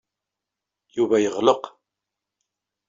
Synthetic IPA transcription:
juvæjəʁləq

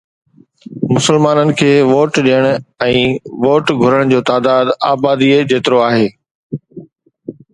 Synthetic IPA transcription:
mʊsəlmaːnənɪ̆kʰeːʋoːʈɗijəɽ̃ɛ̃ːʋoːʈɡʱʊɾəɽ̃d͡ʑoːt̪aːd̪aːd̪aːbaːd̪ied͡ʑeːt̪ɪɾoaːɦeː

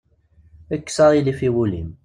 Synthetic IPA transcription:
əkːsɑðˤilifiwulḭm

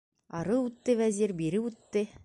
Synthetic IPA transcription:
ɑɾɤʉt̪ːɘvæzʲiɾbiɾɘʉt̪ːɘ

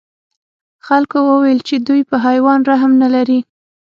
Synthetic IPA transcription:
xalkowəwajəlt͡ʃed̪ujpəɦajwɑnɾaɦamnalaɾi

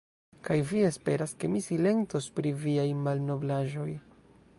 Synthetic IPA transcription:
kajvie̞spe̞ɾaske̞misile̞ŋto̞spɾiviajmalno̞blaʒo̞j

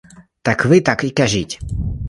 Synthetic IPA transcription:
t̪akvɪt̪akikɛʒicʲ

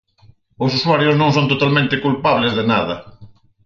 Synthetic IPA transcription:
ʊsuswaɾjosnõŋsõnt̪ot̪almẽnt̪ɪkulpaβlɪzðɪnaðɐ

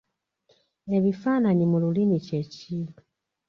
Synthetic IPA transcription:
e̞βifaːnaɲimululinice̞ciːlu

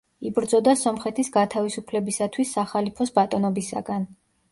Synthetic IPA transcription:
ibɾd̪zɔd̪asɔmχɛt̪ʰisɡat̪ʰavisupʰlɛbisat̪ʰwisːaχalipʰɔsbat̪ʼɔnɔbisa̰ɡan

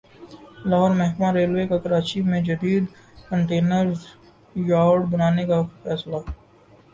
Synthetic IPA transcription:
lɐɦɔːɾmɐɦkmaɾeːlwekakɐɾaːt͡ʃimẽd͡ʒɐd̪iːd̪ | kə̃ɳʈeːnəɾ | jaːɖbɐnaːnekafɛːsla

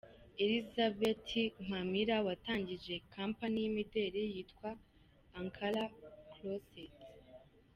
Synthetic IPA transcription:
elizabetʰim̥amiɾawataːɲɟiʒe̞kampanijimide̞ːɾejiːtkwaː | ŋkʰaɾaklosit

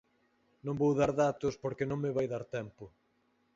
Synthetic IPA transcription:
nõŋbowðaɾðat̪ʊspoɾkenõŋmɪβajðaɾt̪ɛmpʊ

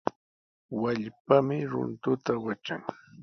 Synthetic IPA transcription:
waʎpamɪɾʊ̰nt̪ʊt̪awat͡ʃaŋ

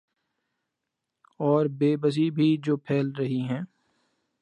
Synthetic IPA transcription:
ɔːɾbeːbəs̬ibʱid͡ʒoːpʰɛːlɾɐɦiɦɛ̃ː

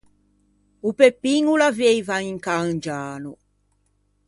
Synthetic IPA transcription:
upepiŋulavejvaiŋkaənd͡ʒaːnu

